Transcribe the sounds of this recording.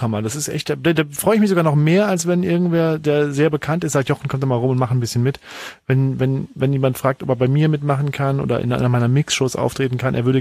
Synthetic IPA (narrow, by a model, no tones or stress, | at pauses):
amadasɪstʔɛ̰çtd̥adadaːfʁ̥ɔʏəɪç̬mɪçzoɡaːnɔχmeːɐalsv̥ɛnʔɪɐɡŋ̩tv̥eːɐdeːɐzeːɐbəkʰantɪstz̥aːk̚tjɔχn̩kʰɔmtd̥aːmaːlʁʊmʊntmaχən̩bɪsçənmɪt | vɛnvɛnvɛnjeːmantfʁ̥aːk̚tɔpeɐbaɪmiːɐmɪtmaχn̩kʰanʔo̰ːdɐ̰ʔɪ̰nʔa̰ɪnɐmaɪnɐmɪksʃoːsʔa̰ʊftʁ̥eːtn̩kʰanʔḛɐvʏɐdə